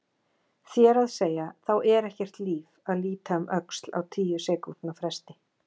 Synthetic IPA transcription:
θjɛɾaðseːjaθawɛɾɛhcɛr̥t̪liːvaðliːt̪amʔœkst̪la̰wt̪ʰiːjʏsɛːku̥t̪nafɾɛst̪ɪ

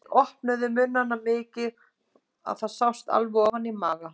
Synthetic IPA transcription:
ɔhpnʏðʏmʏnːanːamɪːcɪ | a̰ðθaðsawst̪a̰lvʏɣɔvanːimaːɣa

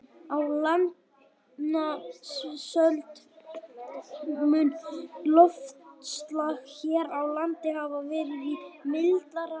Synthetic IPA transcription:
awlant̪ | nassœlt̪ | mʏnlɔft̪st̪laɣçɛːɾawlant̪ɪhavavɪːɾɪvimɪlt̪laɾa

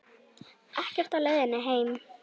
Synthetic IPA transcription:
ʔahcɪft̪alœːðɪnːɪɦeːjm

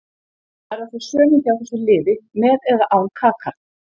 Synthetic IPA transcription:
aɾasɔ̥sœːnɪnθjawθɛsʏlɪːvɪmɛːðɛðaʔaːwnkʰaːkʰa

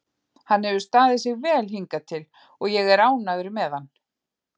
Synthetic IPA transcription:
hanːhɛvʏst̪aːðɪsɪɣvɛːlhiŋkat̪ʰɪl | ɔɣjɛɣɛɾaːwnavʏɾɪmɛðanː

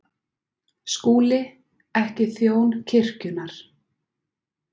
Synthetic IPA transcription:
skuːlɪ | ɛhcɪθjoːwncʰɪr̥cʏnaɾ̥

